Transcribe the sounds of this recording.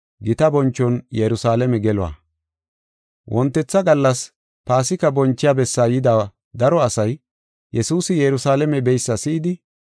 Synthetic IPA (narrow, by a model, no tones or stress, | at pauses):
ɡɪt̪ɐbɔnt͡ʃːɔnjɛɾʊsaːlɛmɛɡɛlɔa̰ | wʔɔnt̪ːɛt͡sːɐɡɐlːɐs | paːsɪkɐbɔnt͡ʃːɪjaːbɛsːaːjɪd̪aː | d̪ɐɾɔɐsɐj | jɛsuːsɪjɛɾʊsaːlɛmɛbɛjsːɐsɪːd̪ɪ